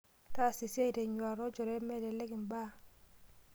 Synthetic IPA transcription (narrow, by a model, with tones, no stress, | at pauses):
ta˦˨si˨se˦i˨te˨ɲwa˨ɾɔ˦d͡ʒɔ˨ɾe˦mɛ˦˨dɛ˨le˦kɪ˨m˨ba˦